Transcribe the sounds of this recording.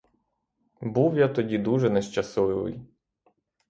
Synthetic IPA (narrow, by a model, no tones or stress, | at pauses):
buwjat̪ɔdʲid̪uʒɛnɛʃt͡ʃɐsɔʋɪʋɪ̰j